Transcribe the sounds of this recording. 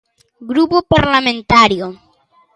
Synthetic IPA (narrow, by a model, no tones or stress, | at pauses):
ɡɾupopaɾlamẽnt̪aɾjo